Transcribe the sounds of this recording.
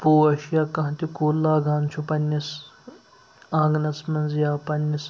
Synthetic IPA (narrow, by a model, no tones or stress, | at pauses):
poːɐʃjakɐ̃ɦt̪ikuːlːaːɡaːnt͡ʃʰupɐnʲːis | ãːŋɡnɐsmɐnzjaːpɐnːis